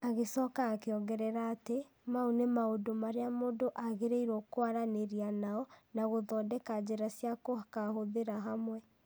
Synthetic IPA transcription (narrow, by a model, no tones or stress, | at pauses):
aɣesɔkaːkeɔɡɛɾɛɾaːte | maunemaodomaɾeamoːdoʔaɣeɾeiɾɔkoaɾaneɾianaɔnaɣoðɔːdɛkad͡ʑeɾasjakohakahoðeɾaɦamwɛ